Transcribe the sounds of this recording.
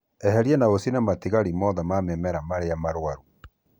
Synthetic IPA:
ɛɦɛɾiɛnaosinamatiɣaɾimɔðamamɛmɛɾamaɾeamaɾwaɾu

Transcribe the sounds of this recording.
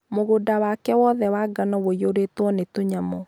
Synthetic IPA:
moɣodawakɛwɔðɛwaɡanɔwojoɾetwɔnetoɲamɔ

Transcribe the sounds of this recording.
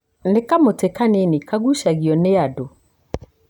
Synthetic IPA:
n̩ɪkamʊtʰɛkʰanɪ̃nɪ̃kʰaɡuʃaɡiɔnɪadʊ

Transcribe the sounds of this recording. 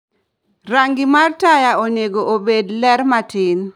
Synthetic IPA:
raŋɡɪmartajaonjeɡoʔobedlɛɾmatɪn

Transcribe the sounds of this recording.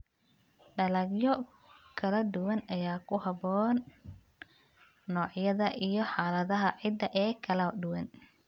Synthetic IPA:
ɖɐlɐɡjɔ | kʰɐlɐd̪ʊwɐnɐjaːkʰʊhɐbɔːn | ɔːʕjɐðɐʔijɞħaːlɐðɐɦɐʕɪd̪ɐʔɛːkʰɐlɐd̪ʊwɐn

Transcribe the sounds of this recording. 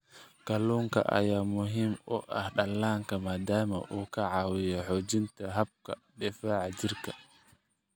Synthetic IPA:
kɐluːŋkʰɐ̰ʔɐ̰jaːmʊɦimɔ̰ʔɐ̰hɗɐlːaːŋkʰɐmaːd̪aːmɐ̰ʔuːkʰɐʕɑːwɪjɔħɔːd͡ʒɪnt̪ʰɐɦɐb̚kʰɐɗɪfaːʕad͡ʒɪrkʰɐ̥

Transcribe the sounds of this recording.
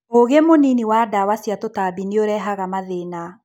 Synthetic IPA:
oɣemoniniwadawasijatotabineoɾɛɦaɣamaðena

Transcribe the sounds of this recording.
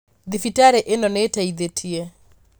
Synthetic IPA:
ðifitaɾɛʔenɔnetaid̪etʰie

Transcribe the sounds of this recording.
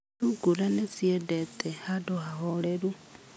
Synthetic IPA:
uɡuɾanesiedetehadohaholeɾu

